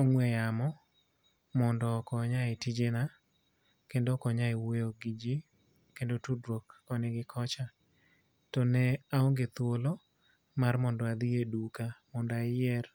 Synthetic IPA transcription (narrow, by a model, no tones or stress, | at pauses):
ɔŋwɛjamɔ | mɔndɔkɔɲaetid͡ʒena | kendokɔɲaewejoɡid͡ʒi | kendotudɾokɔnɪɡɪkʰɔt͡ʃa | tɔnɛaoŋɡet̪wolo | marmɔndɔad̪iedukamɔndaɪjɛr